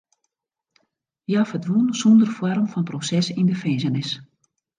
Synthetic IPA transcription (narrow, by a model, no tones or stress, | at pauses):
jafədʋunsɔndərfɔrmfɔnprosɛsindəfɛnzənɪs